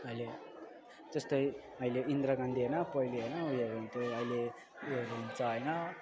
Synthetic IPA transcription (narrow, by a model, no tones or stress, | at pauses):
ʌile | d͡zʌst̪ʌj | ʌileind̪ɾʌɡʌnd̪iɦenʌpʌiliɦʌjnʌujeɾunt̪oʌjle | ueɾuunt͡sʌɦʌjnʌ